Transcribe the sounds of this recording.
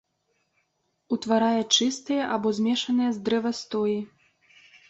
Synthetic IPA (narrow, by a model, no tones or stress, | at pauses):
ut̪vaɾajɛt͡ʂɨst̪ɨjɐʔabɔzʲmʲɛʂɐnɨjɐzd̪ɾɛvɐst̪ɔji